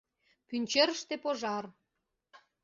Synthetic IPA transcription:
pynʲt͡ɕeɾəʃt̪epoʒɑr

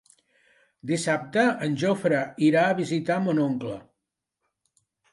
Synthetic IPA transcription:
d̪isap̚t̪əənʲʒofɾəiɾaəβizit̪amonoŋklə̰

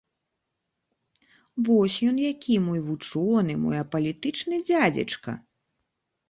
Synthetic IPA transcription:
vɔsʲjɔnjakʲimɔjvut͡ʂɔnɨmɔ̰jɐpɐlʲit̪ɨt͡ʂnɨd͡zʲad͡zʲɐ̰t͡ʂkɐ̰

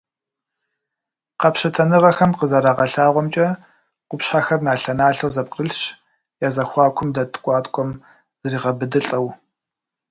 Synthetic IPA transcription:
qɐpɕɐtʰɐnɨʁɐxɐmqəzɐɾaːʁɐɬaːʁʷɔmt͡ʃʼɐ | qʷʊpɕħaːxɐrnaːɬɐnaːɬɐwzɐp̚qəɬɕ | jaːzɐxʷɑːkʷʰʊmdɐtʰʼkʷʼɑːtkʷʰʼɔm | zɨriːʁɐbɨdɨɬʼɐw

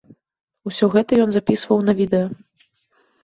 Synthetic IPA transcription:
usʲɔɣɛt̪ɐjɔnzapʲisvɐwnɐvʲid̪ɛjɐ

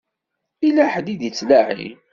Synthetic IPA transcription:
ilæħd̪id̪jit͡sːlaʕḭ

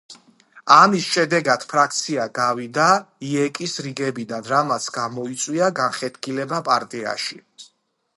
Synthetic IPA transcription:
amisʃɛd̪ɛɡad̪̥pʰɾak̚ʰt̪sʰiaɡavid̪aiɛkʼisɾiɡɛbid̪anɾamat̪sʰɡamɔit̪sʼwiaɡanχɛt̪ʰkilɛbapʼaɾt̪ʼia̰ʃi

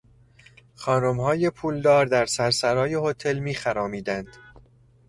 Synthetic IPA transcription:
χɒːnomhɒːjepʰuːld̪ɒːɾd̪æɾsæɾsæɾɒːje̞hot̪ʰe̞lmiːxæɾɒːmiːd̪ænd̪̥

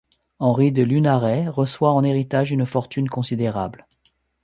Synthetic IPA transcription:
ɑ̃ʁid̪əlynaʁɛʁəswaɑ̃neʁit̪aʒynfɔʁt̪ʰynkɔ̃sid̪eʁabl

